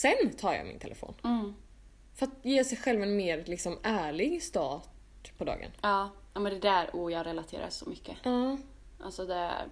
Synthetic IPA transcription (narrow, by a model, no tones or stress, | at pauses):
sɛnt̪ʰɑːɾjɑ̰ːmɪ̰nt̪ʰɛlɛfo̰ːn | fœɾat̪jeːʂɛjɧɛlvɛnmeːɾlɪksɔmʔæːɭɪɡst̪ɑːʈ | pʰɔd̪ɑ̰ːɡə̰nɑːamɛnd̪ɛd̪æɾʊjɑːɡɾɛlat̪ʰḛːɾa̰ʂɔmʏkʰːəɑː | ʔa̰lsɔd̪ɛ̰